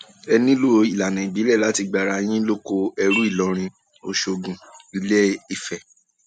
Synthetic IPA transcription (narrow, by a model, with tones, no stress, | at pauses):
ɛ˧nĩ˦lo˦i˨la˨nɛ̃˨i˨bi˨˦lɛ˦˨la˨˦ti˧ɡ͡ba˨ɾa˨˧˦j̃ĩ˦lo˦ko˧ɛ˧ɾu˦i˦˨lɔ˨˦ɾ̃ĩ˧ | o˧ʃo˧ɡũ˨i˧˦le˦i˦˨fɛ˨